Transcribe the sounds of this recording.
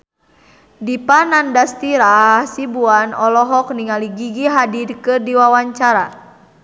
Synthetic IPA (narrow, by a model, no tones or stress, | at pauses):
dipanandast̪iɾahsibuanɔlɔɦɔkniŋaliɡiɡiɦadirkɨrdiwawaɲt͡ʃaɾa̰